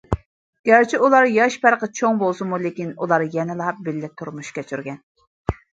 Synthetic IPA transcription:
ɡ̥ʲæɾt͡ʃʰiulˠɑɾjɑʃpæɾqət͡ʃʰoŋbolˠsɨmulɪkʲinulˠɑɾjɛnɪlˠɑp̚bɪlːɪt̪ʰːuɾmuʃkʲɛt͡ʃʰyɾɡʲɛn

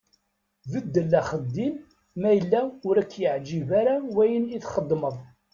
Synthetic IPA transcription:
vəd̪ːəlːæχəd̪ːim | mæjəlːæʊɾækːjəʕd͡ʒivæɾawæjəniθχəd̪ˤːməðˤ

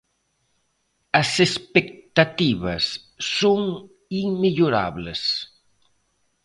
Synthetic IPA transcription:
ɐsespek̚t̪at̪iβɐsː | oŋ | iŋmeʎoɾa̰βles

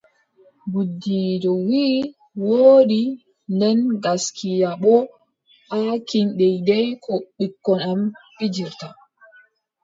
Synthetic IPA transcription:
budːiːdɔwiː | woːɗi | ndɛnɡaskʰijaɓɔ | hakinɗɛjdɛjkʰɔɓikːɔnamɓid͡ʒiɾta

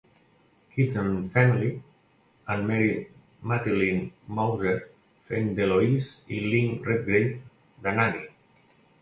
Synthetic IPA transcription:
kizãnfamili | ãnmɛɾi | mat̪ilinmawzeɾ | fend̪eloisilinret̪̚ɡɾejθ | d̪anaɾi

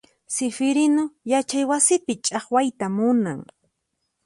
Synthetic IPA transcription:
sɪfɪɾɪnojat͡ʃajwasɪpɪt͡ʃʼɑχwajt̪amʊna̰ŋ

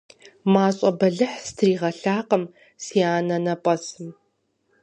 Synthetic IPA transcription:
maːɕʼɐbɐɮɨħstʰriːʁɐɬaːqəm | siːaːnɐnɐpʷʼɐsɨm

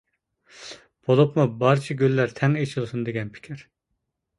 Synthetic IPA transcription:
b̥olˠupmubɑɾt͡ʃʰiɡʲylːæɾt̪ʰɛŋet͡ʃʰilˠɨsund̪eɡʲɛnpʰi̥kʲʰɪɾ

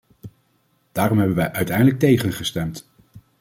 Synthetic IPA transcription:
d̥aːrɔmɦɛbənʋɛjʔœɥtɛjndələk̚tejχənχəstɛmt

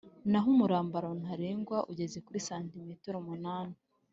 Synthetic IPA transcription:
naɦumuɾaːmbaɾon̥haɾeːŋɡwaʔuɟe̞ze̞kuɾisaːntimitoɾomunaːna

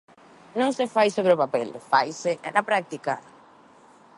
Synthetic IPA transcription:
nõŋsefajsoβɾeʊpapɛlfajseʔɛ̰napɾak̚t̪ika̰

